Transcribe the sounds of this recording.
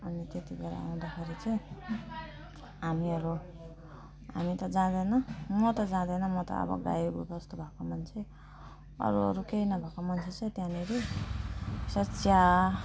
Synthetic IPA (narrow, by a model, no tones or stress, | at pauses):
ʌnit̪et̪ibeɾa̰a̰w̃d̪akʰeɾit͡sʌĩ | ɦamiʌɾu | ɦa̰mit̪ʌd͡zãd̪ʌjnʌmʌt̪ʌd͡zãd̪ʌnʌmʌt̪ʌ̰ʌ̰bʌ̰ɡa̰jbubʌst̪ubʱakomʌnt͡sʰe | ʌ̰ɾuʌ̰ɾukejnʌbʱakomʌnt͡sʰet͡sʌĩt̪jãneɾe | sʌt͡sʰja